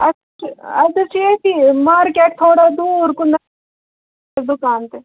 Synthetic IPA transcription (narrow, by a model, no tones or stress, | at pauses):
ɐ | ɐt̪ɐt͡ʃʰekimaːɾkɛːk̚t̪ʰoːɽad̪uːɾkʊn | d̪ʊkaːnt̪e